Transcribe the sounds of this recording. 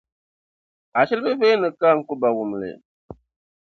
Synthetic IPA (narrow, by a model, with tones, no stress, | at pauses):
a˨ʃi˦lbɨ˦ve˦nɨ˨ka˦ŋ̩˦ku˦ba˨wu˨m˨lɨ̰˨